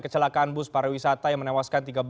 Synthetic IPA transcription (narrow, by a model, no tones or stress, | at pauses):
kət͡ʃəlakaanbʊspaɾawisat̪ajaŋmənɛwaskant̪iɡab